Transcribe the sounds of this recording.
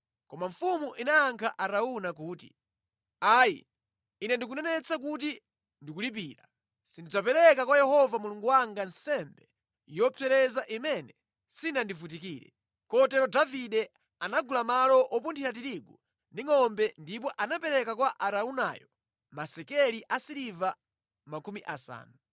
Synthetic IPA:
kɔmaɱfumuʔinaːŋkʰaʔaɾaunak̬uːtḭ | aːjḭ | inɛndikunɛnɛt͡sakut̬i | ndikulip̬iːɾa | sindid͡zapɛɾɛkakwajɛhɔvamuluŋɡuwaŋɡansɛmbɛ | jɔpʰɛɾɛzaʔimɛnɛ | sinandifut̬ikiːɾɛ̰ | kɔtɛɾɔdaviɗɛ | anaɡulamalɔʔɔpuntʰiɾat̬iɾiɡu | niŋɔmbɛndip̬ɔʔanapɛɾɛkakwaʔaɾauna̰jɔ | masɛkɛliʔasiɾiva | makumiʔasa̰ːnu

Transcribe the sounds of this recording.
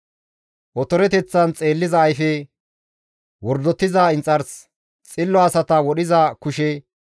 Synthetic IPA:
ʔɔt̪ɔɾɛt̪ɛt͡sːɐnt͡sʼe̞ːlːɪzɐːjfɛ | wɔɾd̪ɔt̪ːɪzaɪnt͡sʼːɐɾs | t͡sʼɪlːɔɐsɐt̪ɐwɔɗɪzɐkʊʃɛ

